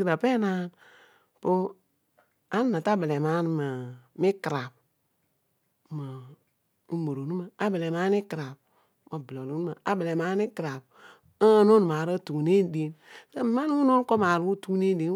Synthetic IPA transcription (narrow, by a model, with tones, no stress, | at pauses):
i˨ɾa˨pe˦na˦n | po˦ | a˦n˦na˨ta˦be˨lɛ˨ma˦n˦ma˨mi˦ki˨ɾa˨b | ma˨ | u˦mo˨ɾo˨nu˦ma˨a˦be˨le˨ma˦ni˦ki˨ɾa˨b̚ | ma˨blo˨lu˨˦nu˦ma˨a˨bə˨le˨ma˨˦ni˦ki˨ɾa˨b̚ | a˦no˦n˨ma˨ɾə˦tu˨ne˦de˦nka˦mi˨˦ma˦n˦wu˦no˦n˦ko˦ma˨ɾu˦tu˦ne˦de˨